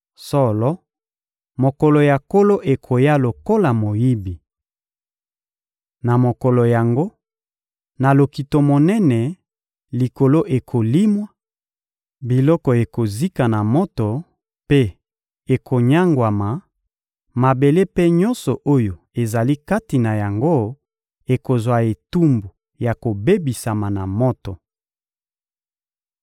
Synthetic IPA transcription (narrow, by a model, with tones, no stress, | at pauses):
sɔ˦lɔ˦ | mo˨kɔ˨lɔ˨ja˨ko˦lo˦ʔe˨kʰo˨ja˦lo˨ko˦la˨mo˨ji˦bi˨ | na˨mo˨kɔ˨lɔ˨ja˨ŋɡo˦ | na˨lo˨ki˨to˨mo˨nɛ˦nɛ˨ | li˨ko˨lo˦ʔe˨kʰo˨li˦mwa˦ | bi˨lɔ˦kɔ˨e˨ko˨zi˦ka˨na˨mɔ˦to˨ | pe˦ | e˨kʰo˨ɲa˦ŋɡwa˨ma˨ | ma˨be˨le˦pe˦ɲɔ̃˦nsɔ˨ʔo˦jo˨ | e˨za˨li˦ka˦ti˨na˨ja˨ŋɡo˦ | e˨ko˨zwa˨e˨tu˦mbu˨ | ja˨ko˨be˦bi˨sa˨ma˨na˨mɔ˦to˨